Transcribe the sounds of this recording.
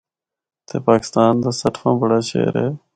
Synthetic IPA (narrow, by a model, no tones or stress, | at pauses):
t̪ʰeːpaːkɪ̥st̪aːnd̪aːsəʈʰfãːbəɽaːt͡ʃḛːɾḛː